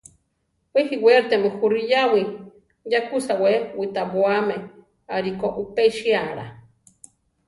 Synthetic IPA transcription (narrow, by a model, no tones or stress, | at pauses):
wehiweɾt̪emuxuɾijawi | jakusawewit̪abwame | aɾikoʔupeʃiaɾa̰